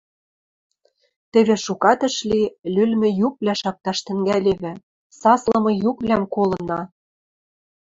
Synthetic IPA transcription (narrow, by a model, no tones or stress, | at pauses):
t̪ɘ̆βĕʃukɑt̪ɤ̆ʃlilylmɘ̆juk̚βlʲæʃɑk̚t̪ɑʃt̪ɘ̆ŋɡælʲeβɘ̆ | sɑslɤ̆mɤ̆jukβlʲæmkolɤ̆nɑ